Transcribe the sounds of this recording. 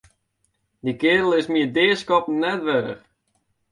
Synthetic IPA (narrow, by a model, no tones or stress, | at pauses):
dikɪːɾəl̩ˠɪsmiədɪːskɔpn̩nːɛtʋɛɾə̰χ